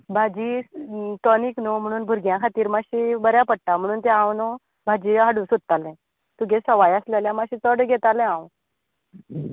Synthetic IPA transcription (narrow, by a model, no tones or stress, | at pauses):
bʱad͡ʑiːt̪ɔniknom̤əɽ̃uːnbʱuɾɡjãkʰat̪iːɾmaɕiːbəɾjapəɽ̚ʈ̪am̤əɽ̃uːnt̪ɛ̃ãwno | bʱad͡ʑiːɦəɽusud̪̚t̪alɛ̃ | t̪uɡesəʋajəsleljãmaɕiːt͡səɽɡʱet̪alɛ̃ãw